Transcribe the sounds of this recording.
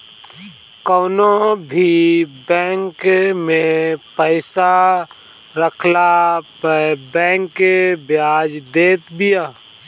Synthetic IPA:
kɔːnobʱibɛ̃ːŋkmẽpəɪsa | ɾəkʰlapəbɛ̃ːŋkebjaːd͡ʒd̪eːt̪bijaː

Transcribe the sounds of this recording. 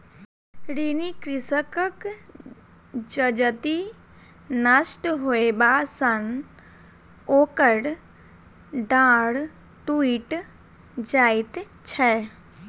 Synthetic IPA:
ɾiːnikɾɪsəkək | d͡ʒəd͡ʒət̪i | nəsʈɦoebasən | oːkəɽ | ɖãːɽ | ʈuiːʈ | d͡ʒaːɪt̪ | t͡ʃʰɛ

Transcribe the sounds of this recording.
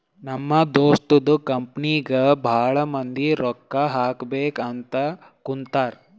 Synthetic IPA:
nɐmːɐd̪oːsʈ̪ud̪ukɐmpniɡɐbʱaːɭɐmɐnd̪iɾɔkːɐɦaːkbeːkɐnt̪ɐ | kunt̪aːɾ

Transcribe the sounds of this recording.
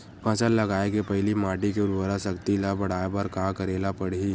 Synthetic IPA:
pʰɐsəlːɐɡaːekepɐɦɪlimaːʈikeʊɾʋəɾasɐkt̪ilabɐɽ̤aːepɐɾkaːkɐɾeːlapɐɽiː

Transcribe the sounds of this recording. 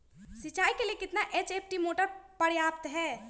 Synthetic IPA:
sit͡ʃajkelekɪt̪naʔet͡ʃepʰʈimoʈəɾpəɾjap̚t̪ɦɛ

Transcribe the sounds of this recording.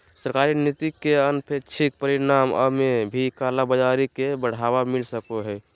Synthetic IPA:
səɾkaːɾinit̪ikːeənpʰeɾt͡ʃʰik̚pəɾinaːmə̰mebʱikaːlabəd͡ʒaɾikebəɽ̤aːʋamɪlsəkoɦɛ

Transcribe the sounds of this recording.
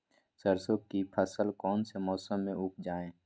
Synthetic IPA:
səɾsokipʰəsəlkɔːnsemɔːsəmːẽʊp̚ʰd͡ʒaːẽː

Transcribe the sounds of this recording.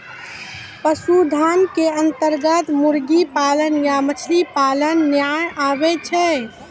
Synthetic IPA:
pəsud̪ʱankeənt̪əɾɡət̪muɾɡipalənjamət͡ʃʰlipalənːjajabɛt͡ʃʰɛ

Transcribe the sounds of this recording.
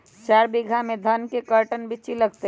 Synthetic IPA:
t͡ʃaːɾbiɡʱamẽd̪ʱɐnkekəɾʈənbʱɪt͡ʃiləɡt̪e

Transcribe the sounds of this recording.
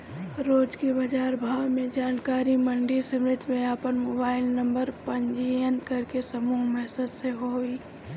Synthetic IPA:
ɾoːd͡ʒkibɐd͡ʒaːɾbʱaːʋmẽd͡ʒaːnkaːɾiməɳɖisemɾɪt̪jmẽaːpənmoːbaːɪlnə̃mbəɾpəɲd͡ʒienkɐɾkesɐmuːmɛɦsəd̪seɦoːi

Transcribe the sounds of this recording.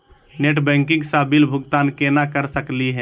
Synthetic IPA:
neʈbɛ̃ːŋkɪ̃ŋɡsabilbʱʊɡt̪aːnkenakəɾsəkliɦɛ̃

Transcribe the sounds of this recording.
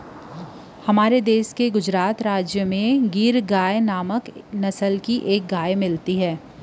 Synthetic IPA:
hɐmaːɾed̪eːʃkeɡʊd͡ʒɾaːt̪ɾaːd͡ʒjəmẽɡiːɾɡaːjnaːməknɐsəlkiʔeːk̚ɡaːjmɪlt̪iɦɛː

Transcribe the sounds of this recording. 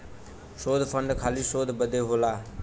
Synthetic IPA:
ʃoːd̪ʱfʰəɳɖkʰaːliːsoːd̪ʱbəd̪ʱeːɦoːlaː

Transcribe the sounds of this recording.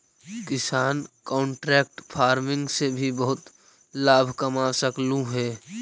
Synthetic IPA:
kɪsaːnkɔ̃ːɳʈɾɛːk̚ʈpʰaːɾmɪ̃ŋɡsebʱibəɦʊt̪ | laːbʱkəmasəklũɦɛː

